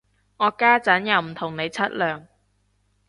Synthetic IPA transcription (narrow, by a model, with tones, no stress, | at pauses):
ŋɔː˨˧kaː˥t͡sɐ˨˥njɐ˨˧wm̩˨˩t̪ʰʊ˨˩ŋne˨˧jt͡sʰɐ˥t̚lœː˨˩ŋ